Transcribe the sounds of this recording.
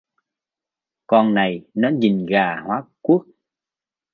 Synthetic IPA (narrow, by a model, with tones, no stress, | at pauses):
kɔ˧nna˨˩jnɔ˨˦ɲi˨˩ŋɣaː˨˩hwaː˨˦ku˦˥ək̚